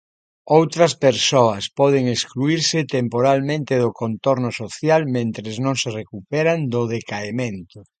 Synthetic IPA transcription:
owt̪ɾɐspeɾsoɐspɔð̞eŋeskluiɾsɪt̪empoɾalmẽnt̪ɪðʊkont̪oɾnʊsoθjalmẽnt̪ɾeznõŋserekupɛɾand̪oðekaemẽnt̪ʊ

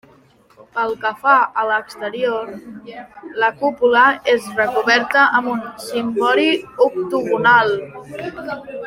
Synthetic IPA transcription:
pəlˠkəfaələkst̪əɾioɾ | ləkupuləezrəkuβɛɾt̪əʔːmbunsimbɔɾiuk̚t̪uβunalˠ

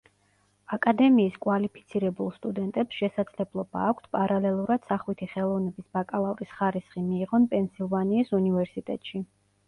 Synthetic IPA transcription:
akʼad̪ɛmiːskʼwalipʰi̥t̪sʰiɾɛbulˠst̪ʼud̪ɛnt̪ʼɛpsʃɛsad̪z̥lɛblˠɔba̰ːkʷʰt̪ʰpʼaɾalɛlˠuɾad̪̥saχwit̪ʰiχɛlˠɔvnɛbisbakʼalˠavɾisχaɾisχimiːʁɔnpʼɛnsilˠvaniːsunivɛɾsit̪ʼɛ̰t̪ʼʃi

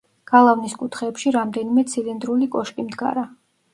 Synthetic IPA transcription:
ɡ̥alˠavniskʼut̪ʰχɛːpʃiɾamd̪ɛnimɛt̪sʰilind̪ɾulikʼɔʃkʼimd̪ɡa̰ɾa

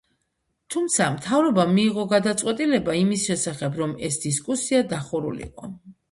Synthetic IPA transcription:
t̪ʰumt̪sʰamt̪ʰavɾɔbamiːʁɔɡad̪at̪sʼwɛt̪ʼilɛbaimisʃɛsaχɛbɾɔmɛsd̪iskʼusiad̪aχuɾṵlḭqʼɔ̰

